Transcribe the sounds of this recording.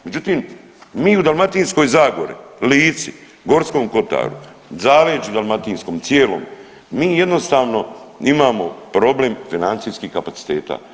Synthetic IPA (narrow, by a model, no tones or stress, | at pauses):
me̞d͡ʒut̪iːm | miːud̪almat̪iːnsko̞jzaːɡo̞̰ɾḭliːt̪si | ɡo̞ɾsko̞ːmko̞t̪a̰ːɾṵ | zaːʋeːt͡ʃud̪almat̪insko̞ːmt̪sjeːlo̰m | miːje̞d̪no̞st̪aːʋno̞imaːmo̞pɾo̞ble̞mfinant̪sijskihkapasi̥t̪ḛːt̪a̰ː